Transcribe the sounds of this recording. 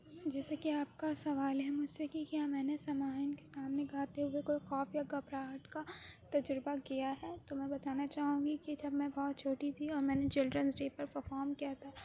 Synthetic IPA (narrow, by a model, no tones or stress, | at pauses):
d͡ʒɛːsekiaːp̚kasɐʋaːlɦɛmʊd͡ʒsekikijaːmɛ̃ːnesɐmaːɦɪnke̥saːmneɡʱaːt̪eɦʊekoixɔːfjaɡɐbɾaːʈkat̪ɐd͡ʒɾbakijaɦɛːt̪omɛ̃bɐt̪aːnat͡ʃaːɦũːɡikid͡ʒɐbmɛ̃bɔːt̪̚t͡ʃʰoːʈit̪ʰiɔːɾmɛ̃ːnet͡ʃɪlɖɾənsɖeːpɐɾpɐɾfɔːɾmkiat̪ʰa